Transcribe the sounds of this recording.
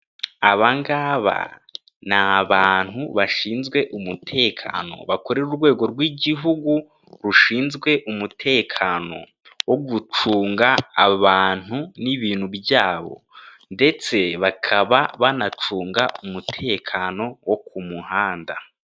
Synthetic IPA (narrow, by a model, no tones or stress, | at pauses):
aβaŋɡaβa̰ | naβaːn̥huβaʃiːnzɡwe̞ʔumutʰe̞ːkʰa̰no̞̰βako̞ɾeɾuɾɡwe̞ːɡo̞ɾɡwiɟiɦuɡu | ɾuʃiːnzɡwe̞ʔumutʰe̞ːkʰano̞̰ | woɡut͡ʃuːŋɡaːβaːn̥uniβiːn̥hubjaːβo̞̰ | nde̞t͡se̞βakʰaβaβanat͡ʃuːŋɡaʔumutʰe̞ːkʰano̞wok̚umuhaːnda̰